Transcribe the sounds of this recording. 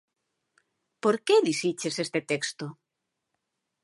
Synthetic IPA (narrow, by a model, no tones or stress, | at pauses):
poɾkeðisit͡ʃesest̪et̪ekst̪o